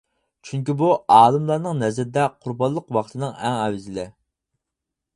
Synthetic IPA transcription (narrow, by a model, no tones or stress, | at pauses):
t͡ʃʰyŋkʲibuɑːlˠɨmlˠɑɾnɨŋnɛzɾɪd̪ɛqʰʊɾbɑnlˠəqwɑχt̪ʰɨnɨŋɛŋɛwɪzɪlɪ